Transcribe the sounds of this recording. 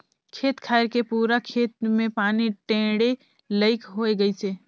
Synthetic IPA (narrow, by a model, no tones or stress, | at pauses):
kʰeːt̪kʰaɪɾkepuːɾakʰeːt̪̚mẽpaːniʈẽːɽe | ləɪkɦoeɡəjt͡ʃeː